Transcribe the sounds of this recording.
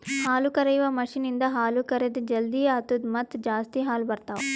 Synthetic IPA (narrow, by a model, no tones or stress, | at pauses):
haːlukɐɾɐjʋɐmɐʂinind̪ɐɦaːlukɐɾed̪d͡ʒɐld̪ijɐt̪ud̪mɐt̪d͡ʒaːst̪iɦaːlubɐɾt̪aːw